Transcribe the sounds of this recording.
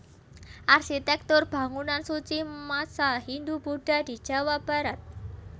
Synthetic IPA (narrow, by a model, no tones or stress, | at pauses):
ʔarʃit̪ɛk̚t̪ʊrb̥a̤ŋunansut͡ʃimasahind̪ubuɖ̥a̤di̤̥d͡ʒ̥a̤wab̥aɾat̪̚